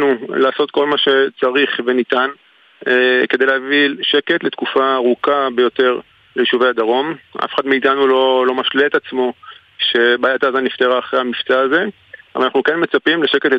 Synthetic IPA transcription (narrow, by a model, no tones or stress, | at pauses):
nulaːso̞t̪ko̞lmaʃe̞t͡saʁiχvenit̪an | eke̞d̪ejleavilʃe̞ke̞tle̞tkufaːʁukabe̞jo̞te̞ʁ | lejiʃuvejad̪aʁo̞mʔa̰feχad̪meit̪anulolo̞maʃleet̪at͡smo̞ | ʃe̞baːjat̪aːzanift̪eʁaːχʁejhamift͡saːze̞ | ʔavalanaχnukenme̞t͡sapimle̞ʃeketle